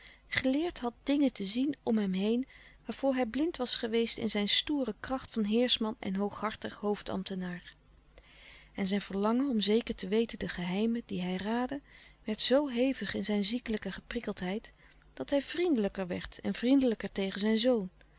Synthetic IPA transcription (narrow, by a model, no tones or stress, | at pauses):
χəlɪːɹtɦɑt̚dɪŋətəzinɔmɦɛmɦejnʋaːɹv̥ʊːɹɦɛjblɪntʋɑsχəʋejstɪ̰nzɛjnstuːrəkrɑχtfɑnɦɪːɹsmɑnɛ̰nɦowχɦɑɹtəχɦowftɑ̰mtənaːɹ | ɛnzɛjnv̥əɹlɑŋənɔmzejkəɹtəʋejtəndəχəɦɛjmədiɦɛjraːdəʋɛɹtsowɦejvəχɪnzɛjnzikələkəχəprɪkəlˠtɦɛjt | d̥ɑtɦɛjv̥rindələkəɹʋɛ̰ɹtɛ̰nvrindələkəɹtejχənzɛjnzown